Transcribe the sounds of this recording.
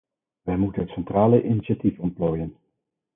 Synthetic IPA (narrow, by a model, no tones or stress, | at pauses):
ʋɛjmutənɦətsɛntraːləʔiniʃatifɔn̚ploːjən